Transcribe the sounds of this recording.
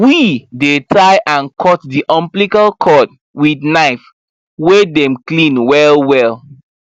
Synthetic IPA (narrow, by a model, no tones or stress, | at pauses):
widetʰaɪʔãnkʰɔt̚diʔɔ̃mplikalkʰɔd̚ | widnaɪf | wedɛ̃mklĩnwɛlwɛlˠ